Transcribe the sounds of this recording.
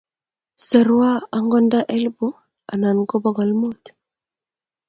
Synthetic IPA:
sa˨ɾwa˦a˨ŋɡɔ˦nda˦ʔɛ˦lbu˦ | a̰˨na˨nɡɔ˦bɔ˦ɡɔ˨lmu˦t̪

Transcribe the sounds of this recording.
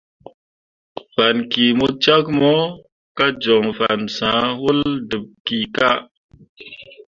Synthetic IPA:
fa˨nki˨mu˦t͡ʃa˦kmɔ˦ | ka˦d͡ʒo˨ŋfa̰˨nsã˨˦wu˦ldɨ˨p̚ki˨ka˦

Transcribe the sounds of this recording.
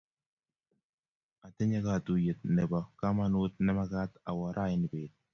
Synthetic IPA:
a˨tɪ˦ɲa˦ka˨tu˨je˨t̪̚nɛ˨ba˨ka˦ma˦nu˦t̪̚nɛ˦ma˦ka˦ta˨wa˨ɾʔa˦jɪ˦nɪ˨peːt̪̚

